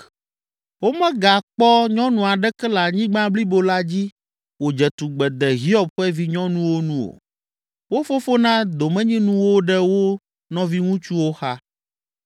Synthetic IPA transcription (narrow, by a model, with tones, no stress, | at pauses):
wo˦mɛ̃˦ɡa˨k͡pɔ˦ɲɔ̃˦nũ˨a˨ɖɛ˦kɛ˦la˨ɲĩ˦ɡ͡bã˦bli˦bo˨la˦d͡ʑi˦ | wo˨d͡ʒɛ˨t̪u˨ɡ͡bɛ˨d̪ɛ˨ɦi˦ɔ˨b̚ɸɛ˦vi˦ɲɔ̃˦nũ˦wo˦nũ˦o̰˨ | wo˦fo˦fo˦nã˦d̪o˨mɛ̃˦ɲĩ˦nũ˦wo˦ɖɛ˦wo˦ | nɔ̃˦vi˦ŋũ˦t͡ʃu˦wo˦xa˦